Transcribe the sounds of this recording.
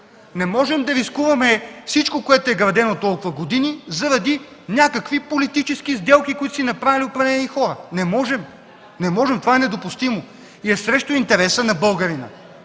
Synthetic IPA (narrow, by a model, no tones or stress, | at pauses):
nɛmɔʒɛmd̪ɐɾiskuvɐmɛfsit͡ʃkokoɛt̪oɛɡɾɐd̪ɛnot̪ɔlˠkʊvɐɡod̪inizɐɾɐd̪i | nʲjakɐkvipolit̪it͡ʃɛskizd̪ɛlˠkikoit̪osɛnɐpɾavʲiliopɾɐvlɛnixɔɾənɛmɔʒɛm | nɛmɔʒɛmt̪ovanɛd̪opʊst̪imo | iɛsɾɛʃt̪oint̪ɛɾɛsənɐbɤlˠɡɐɾinɐ̰